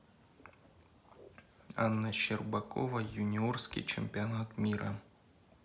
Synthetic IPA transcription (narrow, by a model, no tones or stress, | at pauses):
anːɐɕɛrbakɔ̰vɐjunʲiɔrskʲḭt͡ʃɛmʲpʲianat̪mʲiɾɐ̰